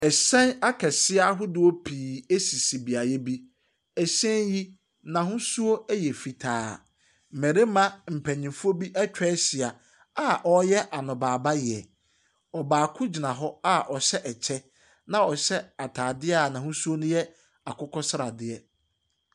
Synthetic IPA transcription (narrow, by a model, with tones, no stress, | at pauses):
ɛ˨sɛ̃˦na˦kʰɛ˨sɪ˦a˦ɦʊ˦dʊ˦o˦pʰiː˨e˦si˨si˨bi˨a˨jɛ˦bi˦ | ɛ˨ɕɛ̃˦nji˦ | nã˨ɦʊ̃˦su˦o˦ɛ˦jɛ˨fi˨tʰaː˨˦˨ | mæ̃˨ɾe˦mã˦m̩˨pʰæ̃˨ɲĩ˨mfu˦o˦bi˦ʔɛ˦t͡ɕᶣɛ˦sɪ˨a˨ | a˦ʔɔ˦jɛ˦ʔa˨nʊ̃˨baː˨ba˦jɪ˨ɛ˨ | ɔ˨baː˨kʰʊ˦d͡ʑi˨nã˨ɦɔ˦a˦ʔɔ˨ɕɛ˦ʔɛ˨t͡ɕʰɛ˦ | nã˨ɔ˨ɕɛ˦a˨tʰaː˨dɪ˦a˦˨nã˨hʊ̃˦su˦o˦nʊ̃˦jɛ˦ | a˨kʰʊ˦kʰɔ˦sɾa˨dɪ˦ɛ˦